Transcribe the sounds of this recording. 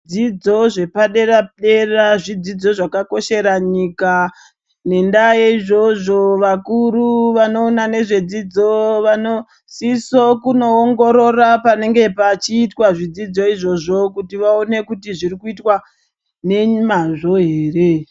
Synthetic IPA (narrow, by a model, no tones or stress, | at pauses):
d͡zid͡zo̞ʐe̞paɗe̞ɾaɗe̞raʐid͡zid͡zo̞ʐakako̞ʃe̞ɾaɲiːka | ne̞ndajeiʐo̞ʐoʋakuɾuʋano̞ːnane̞ʐe̞d͡zid͡zo̞ʋano̞ | siso̞kuno̞ːŋɡo̞ɾo̞rapane̞ŋɡe̞pat͡ʃiːtwaʐid͡zid͡zo̞iʐo̞ʐo̞kutiʋao̞ne̞kutiʐiɾikuitwa | ne̞maʐo̞ɦe̞ːre̞